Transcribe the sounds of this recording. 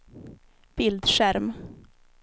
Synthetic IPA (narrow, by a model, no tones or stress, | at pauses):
b̥ɪld̪ʃæɾm